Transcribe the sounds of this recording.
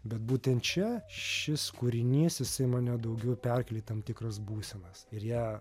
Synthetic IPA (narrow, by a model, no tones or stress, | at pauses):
bʲɛt̪̚buːt̪ʲɛnt̪t͡ʃʲɛʃʲɪskuɾʲɪnʲiːsjɪsɐɪmɑːnʲɛd̪ɐʊɡʲɛʊpʲɛrʲkʲɛlʲiːt̪ɐmt̪ʲɪkɾɐsbuːsʲɛnɐsɪɾjæː